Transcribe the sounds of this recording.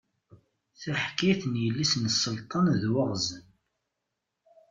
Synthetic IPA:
θæħkiθnjəlːisnsːəlt̪ˤɑnðwəʁzən

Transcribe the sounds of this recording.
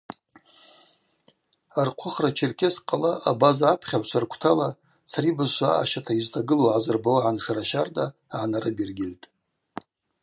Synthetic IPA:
arqʷʰʊχrat͡ʃʰɪrkʲʰɪsqʼalaʔabazaːpʰχʲaʕʷʃʷʰarkʷʰtʰala | t͡sʰaɾibazʃʷaa̰ʃatʰaiztʰaɡɨloʕazɨrbawʕanʂaɾaʃardaːʕanaɾɨbirɡʲɪltʼ

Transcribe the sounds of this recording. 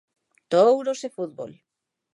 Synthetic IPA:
t̪owɾosefuðβo̰l

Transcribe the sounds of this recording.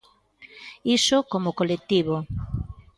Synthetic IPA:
isokomokolek̚t̪iβo

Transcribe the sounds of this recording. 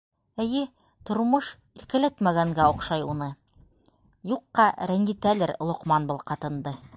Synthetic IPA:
ɘ̆jɘ | t̪ŏɾmoʃ | iɾkæ̆læt̪mæɡæŋɡæoqʃɑjunɤ | juqːɑɾæŋɡit̪ælɘɾlˠŏqmɑnbɤ̆lˠqɑt̪ɤ̆nd̪ɤ

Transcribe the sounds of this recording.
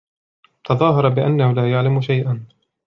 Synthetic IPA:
t̪ɑðˤɑːɦɑɾˤɑbɪʔanːahʊlaːjaʕlamʊʃajʔan

